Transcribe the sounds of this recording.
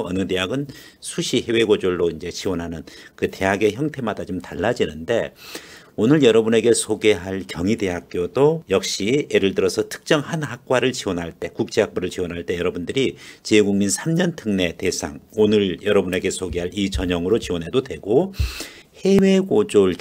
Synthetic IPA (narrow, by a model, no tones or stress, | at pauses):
ʌnɯde̞jaɡɯn | sʰuɕʰihe̞we̞ɡod͡ʑoɭːoind͡ʑe̞t͡ɕiwʌnɦanɯnkɯte̞ɦaɡe̞çjʌŋtʰe̞madat͡ɕomtaɭːad͡ʑinɯnde̞ | onɯɭjʌɾʌbune̞ɡe̞sʰoɡe̞ɦaɭkjʌŋide̞ɦak̚k͈jodojʌk̚ɕ͈ieɾɯɭdɯɾʌsʰʌtʰɯ̥k̚t͡ɕ͈ʌŋɦanɦak̚k͈waɾɯɭt͡ɕiwʌnɦaɭt͈e̞kuk̚t͡ɕ͈ʰeɦak̚p͈uɾɯɭt͡ɕiwʌnɦaɭt͈e̞jʌɾʌbundɯɾit͡ɕeɡuŋminsʰamɲʌntʰɯŋne̞te̞sʰa̰ŋonɯɾjʌɾʌbune̞ɡe̞sʰoɡeɦaɾit͡ɕʌɲʌŋɯɾot͡ɕiwʌnɦe̞dodwe̞ɡo | he̞weɡod͡ʑoɭ